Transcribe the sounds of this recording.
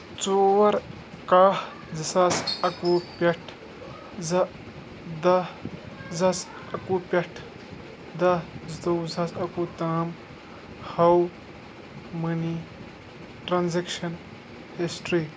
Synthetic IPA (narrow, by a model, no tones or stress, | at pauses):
t͡soːʋɐɾ | kaːh | d͡zɐsasɐkuːpʲɐʈʰ | zɐ | d̪ɐ | zɐs | ɐkuːpʲɐʈʰ | d̪ɐzt̪ɐwzɐsɐkuːt̪aːm | hɐw | mɐni | ʈɾanzekʃɐn | hisʈɾiː